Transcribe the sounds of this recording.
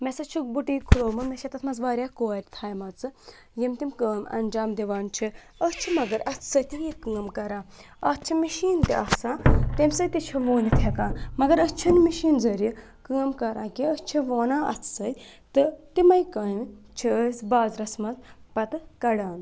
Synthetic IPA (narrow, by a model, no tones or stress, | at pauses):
mesɐt͡ʃʰubuʈiːkʰuloːmɐmʲeʃɐt̪ɐt̪ʰmɐzʋaːɾjaːkoːɾʲt̪ʰaːjmɐt͡sɨ | jimt̪imkəːmɐ̰nd͡ʒaːmd̪iʋaːnt͡ʃʰi | əst͡ʃʰimɐɡɐɾɐt͡sʰsɐjt̪ijikəːmkɐɾãː | ɐt͡ʃʰimiʃiːnt̪ḭɐsaːt̪emʲsɐt̪it͡ʃʰiʋoːnit̪ʰekãːmɐɡɐɾət͡ʃʰɐnmiʃiːnzəɾi | kəːmkɐɾʔãːkiəst͡ʃʰiʋoːnãːɐ̰t͡sʰsɐj | t̪ɨt̪imɐjkɐnt͡ʃʰiəsʲbaːzɾɐsmɐzpɐt̪ɨkɐɽaːn